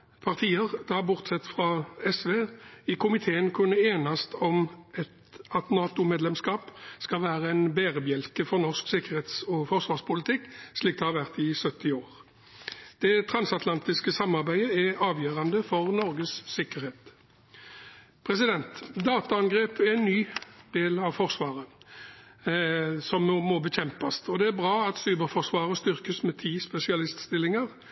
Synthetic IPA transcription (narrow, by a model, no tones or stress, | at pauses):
pʰɑʁt̪ʰiːəʁd̪̥ɑbʊʁt̪sɛt̪ːfʁɑɛsʋeːɪkʰʊmɪt̪ʰeːənkʰʉnːəeːnɑst̪ʰɔmɛt̪ɑt̪nɑːt̪ʊmeːd̪lɛmskɑːpskɑlʋæːʁəɛnbeːʁəbjɛlkəfɔʁnɔʁsksɪkəʁheːt̪sɔfɔʁsʋɑːʁspʊlɪt̪ʰɪkːsliːk̚t̪ɛhɑʁʋæʁt̪ɪsœt̪ɪoːʁ | d̪̥ɛt̪ʰʁɑnsɑt̪lɑnt̪ɪskəsɑmːɑʁbæɪəæɑːʋjøːʁɑnd̪əfɔʁnɔɾɡəsːɪkəɾheːt̪ | pʰʁɛsɪd̪ɛnt̪d̪ɑːt̪ɑɑnɡʁeːpæʁɛnːyːd̪̥eːlɑʋfɔʁsʋɑːʁə | sɔmːmɔbəçɛmpɑst̪ɔd̪ɛæʁbʁɑːɑt̪sʉːbəɾfɔʁsʋɑːʁəst̪ʏʁkəsmɛt̪ʰiːspɛsɪɑlɪst̪st̪ɪlɪŋəʁ